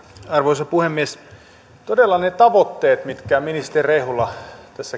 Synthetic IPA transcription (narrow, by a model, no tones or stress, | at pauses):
ɑrʋoisɑpuhemːies | t̪odelːɑnet̪ɑʋot̪ːeːt̪mit̪kæminist̪erehulːɑt̪æsːæ